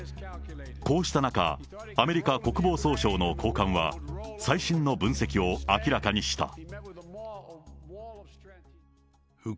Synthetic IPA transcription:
ko̞ːɕi̥t̪anaka̰ː | me̞ɾʲikako̞kɯ̟bo̞ːso̞ːɕo̞ːno̞kʰo̞ːkãɰ̃βa̰saiɕĩnno̞bɯ̟̃ɰ̃se̞kʲio̞akʲiɾakaɲ̟iɕi̥t̪a̰

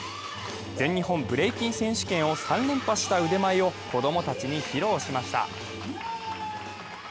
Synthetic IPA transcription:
d͡zẽ̞ɲ̟ːiɦõ̞mbɯ̟ɾe̞ikʲĩɰ̃sẽ̞ɕi̥kẽɰ̃o̞sãnːẽ̞mpaɕi̥t̪aɯ̟d̪e̞maio̞ko̞d̪o̞mo̞t̪at͡ɕiɲ̟içiɾo̞ːɕimaɕi̥t̪a̰

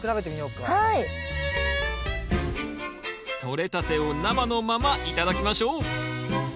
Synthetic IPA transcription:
kɯɾabe̞t̪e̞mio̞ːkahai | t̪ʰo̞ɾe̞t̪at̪e̞onamano̞mamaʔit̪ad̪akʲimaɕo̞ː

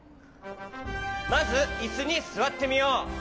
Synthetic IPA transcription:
masɯisɯɲisɯwat̪ʰːemijo

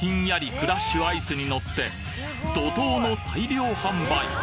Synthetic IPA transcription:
ĩɰ̃jaɾʲikɯ̟ɾaɕːɨaisɨɲ̟ino̞t̪ːe̞ | d̪o̞t̪o̞ːno̞t̪ʰaiɾʲo̞ːhãmbai

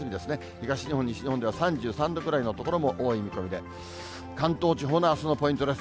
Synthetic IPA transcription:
ɨmʲid̪e̞sɨne | çiɡaɕiɲ̟ihoɲːiɕiɲihond̪e̞βasãɲd͡ʑɨːsãnd̪o̞kɯ̟ɾaino̞t̪o̞ko̞ɾo̞mo̞ʔoːimʲiko̞mʲid̪e̞ | kãnt̪o̞ːt͡ɕiɦo̞naːsɨno̞po̞ĩnt̪o̞d̪es

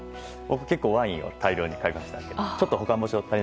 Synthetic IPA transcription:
bo̞kɯ̟̥ke̞kːoːβãɰ̃ĩo̰t̪ʰaiɾʲo̞ːɲ̟ikaemaɕi̥t̪a̰kːet͡ɕo̞t̪ːoɦo̞kãmbo̞ɕiot̪aɾʲi

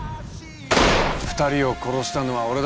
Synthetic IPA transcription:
ɸɯ̟̥t̪aɾʲio̞ko̞ɾo̞ɕɨ̥t̪ano̞βao̞ɾed̪

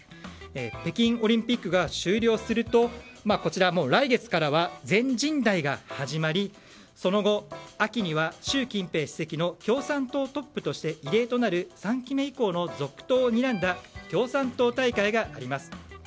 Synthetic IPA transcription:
epe̞kʲĩɰ̃o̞ɾʲĩmpʲikːɯ̟ɡaɕɨːɾʲo̞ːsɨɾɯ̟t̪o̞mako̞t͡ɕiɾamo̞ːɾaiɡe̞t͡sɨ̥kaɾaβazẽ̞ɲ̟d͡ʑĩnd̪aiɡahaʑimaɾʲi | so̞no̞ɡo̞akʲiɲ̟iβaɕɨːkʲĩmpe̞ːɕi̥se̞kʲino̞kʲo̞ːsãnt̪o̞ːt̪o̞pːɯ̟t̪o̞ɕi̥t̪e̞ʔiɾe̞ːt̪o̞naɾɯ̟sãŋkʲime̞iko̞ːno̞zo̞kɯ̟̥t̪o̞ːɲ̟iɾãnd̪akʲo̞ːsãnt̪o̞ːt̪aikaiɡaʔːɾʲimasɨ̥

